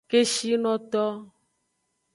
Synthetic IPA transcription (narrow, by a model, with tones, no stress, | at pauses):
ke˦ʃi˦nɔ̃˦t̪ɔ˦